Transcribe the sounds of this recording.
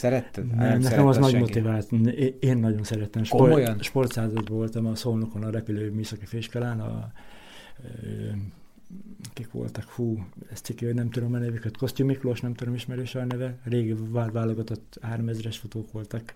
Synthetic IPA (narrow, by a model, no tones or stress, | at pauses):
sɛɾɛt̪ːɛnɛmnɛkɛmɒznɒɟmo̞t̪ivaːt̪neːnːɒɟo̞nsɛɾɛt̪ɛmʃkorojnʃpo̞rt̪saːzɒd̪bɒvo̞lt̪ɒmɒsoːnokonɒɾɛpyløːmyːsɒkifeːʃkɛlaːnɒ̰ | ø | kikʋo̰lt̪ɒkfuːɛst̪sikːihoɟnɛmt̪ud̪omɛnɛvykøt̪ko̞st̪ymikloːʃnɛmt̪ud̪o̞miʃmɛɾøːʃɒnɛvɛreːɡʋaːloɡɒt̪ot̪ːhaːɾomɛzrɛʃfot̪oːkʋo̞lt̪ɒk